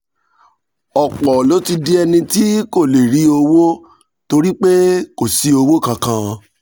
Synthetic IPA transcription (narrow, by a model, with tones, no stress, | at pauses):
ɔ˨k͡pɔ˨lo˨˦ti˧di˦ɛ˧nĩ˧ti˦ko˦˨le˨ɾi˨˦o˧wo˦ | to˧ɾi˦k͡pe˦ko˨si˨˧˦o˧wo˦kã˧kã˧